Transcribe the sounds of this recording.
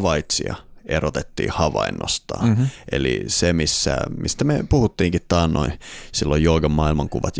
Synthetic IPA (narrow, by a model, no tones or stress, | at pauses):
ʋɑit̪siɑ̰erot̪et̪ːḭːhɑʋɑinːo̰st̪ɑːʔelisemisːæ̰mʔist̪æmepuhut̪ːiːŋkit̪tːɑːnno̰isilːojjoːɡɑmmɑilmɑŋkuʋɑt̪